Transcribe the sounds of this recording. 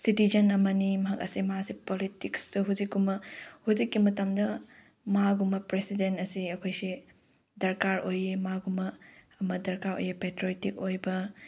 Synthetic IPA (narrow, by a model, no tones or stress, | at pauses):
sitizɐnɐmɐnimɐɦɐk̚ɐ̰simɐasipolitikstɐɦuzikːumɐhuzikːimɐtɐmdɐ | maɡumɐpɾesidentɐsiɐkʰojsi | dɐɾkaɾojemaɡumɐː | mɐdɐɾkaɾo̰jepetɾojtik̚ojbɐ